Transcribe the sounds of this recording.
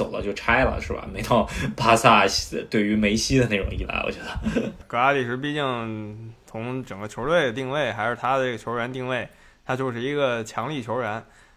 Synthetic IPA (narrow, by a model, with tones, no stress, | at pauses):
o˨˩ʊlə̰˦t͡ɕjo˥˩ʊʈ͡ʂʰa˥ɪlə̰˨ʂɻ̩˥˩ba̰˩me˧˥ɪt̪ʰɑ˥˩ʊpʰa˥sa˥˧˩ɕt̪we˥˩ɪy˧˥me˧˥ɪɕi˥d̪ə˨na˥˩ʈ͡ʂʊ˨˩ŋi˥˩la̰˧˥ɪwɔ̰˨˩t͡ɕɥɛ˧˥d̪ə˧kɤ˧˥a˥li˨˩ʂɻ̩˧˥p̬i˥˧t͡ɕi˥˩ŋt͡sʰʊ˧˥ŋʈ͡ʂɤ˨˩ŋɡə˦t͡ɕʰjo˧˥t̪we˥˩ɪd̪ə˩t̪i˥˧ŋwe˥˩ɪxa˧˥ɪʂɻ̩˥˩t̪ʰa˥d̪ə˨ʈ͡ʂe˥˩ɡə˩t͡ɕʰjo˧˥ɻɥa˧˥nt̪i˥˧ŋwe˥˩ɪ | t̪ʰa˥t͡ɕjo˥˧ʊʂɻ̩˥˩i˧˥ɡə˧t͡ɕʰjɑ˧˥ŋli˥˩t͡ɕʰjo˧˥ʊɻə˧˥n